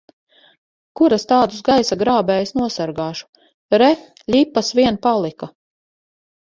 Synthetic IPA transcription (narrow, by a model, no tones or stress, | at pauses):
kuɾast̪aːd̪usɡajsaɡɾaːbɛːjsnuɔsaɾɡaːʃu̥ | ɾɛ | ʎʲipːasviɛnpalˠika